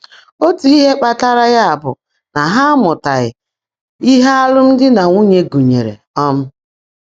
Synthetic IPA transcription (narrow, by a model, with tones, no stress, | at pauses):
o˦tu˨˦i˦ɦe˦k͡pa˨ta˦ɾa˦ja˦a˨bʊ̰˨ | na˨ɦa˦mʊ˨ta˨ɣɪ̰˨ | i˦ɦa˦a˦lʊ˦m̩˦dɪ˦na˨ŋu˦ɲe˦ɡu˨ɲe˨ɾḛ˨ | ɔ˦m̩˦